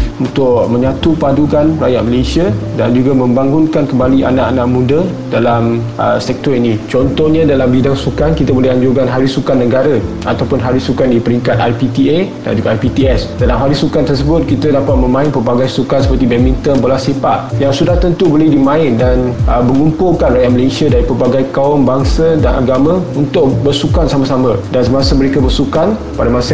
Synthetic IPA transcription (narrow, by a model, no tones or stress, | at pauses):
unt̪ʊʔmə̃ɲat̪upadukanrajaʔ̚məlesiadand͡ʒuɡamə̃mbaŋɡʊnkankəmbaliʔa̰nãʔanãʔmũdə | dalam | əsɛk̚t̪ɔɾinit͡ʃɔnt̪ɔhɲãdalambidaŋsukankit̪əbolɛhaɲd͡ʒuɡanɦaɾɪsukanːəɡaɾə | a̰t̪awpʊnɦaɾɪsukandipəɾiŋkat̪̚ajpit̪ieda̰nd͡ʒuɡaajpit̪iɛsdalamɦaɾɪsukant̪ərsəbʊt̪̚kit̪ədapat̪̚mə̃mãɪnpəbaɡajsukansəpərt̪ibɛmĩnt̪ɔnbolasipat̪̚jaŋsudaht̪ənt̪ubolidimãɪndanəməŋumpʊlkanrajaʔməlesiadaɾipərbaɡajkaʊmbaŋsadanʔa̰ɡamə̃unt̪ʊʔ̚bərsukansamasamə̃dansəmasəməɾekabərsukan | padamasə